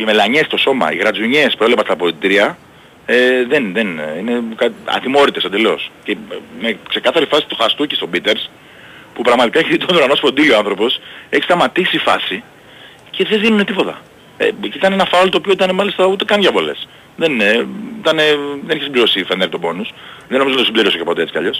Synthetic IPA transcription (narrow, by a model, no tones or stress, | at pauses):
ime̞lɐɲe̞st̪o̞so̞mɐ̰ḭɣɾɐt͡suɲespuɾelepɐst̪ɐpo̞lit̪ɾiɐ | eðenðenine̞kɐɐ̰t̪imo̞ɾit̪e̞sɐd̪eleoscemekse̞kɐθɐɾifɐsi̥t̪uxɐst̪ucest̪o̞bit̪e̞ɾs | pupɾɐɣmɐt̪ikɐçit̪onuɾɐno̞sfo̞nd̪ilioɐnθɾo̞po̞seçist̪ɐmɐt̪isifɐ̰si | ceðeðinune̞t̪ipot̪ɐ̰ | ḛcit̪ɐnenɐfɐolt̪oːpioit̪ɐnemɐlist̪ɐut̪e̞kɐnʝɐpo̞le̞̰s | ðeneit̪ɐneðeniçesibliɾo̞sifend̪eɾkt̪obo̞nusðeno̞miot̪osibliɾiosocepoeet͡si̥kɐ̰ʎo̞s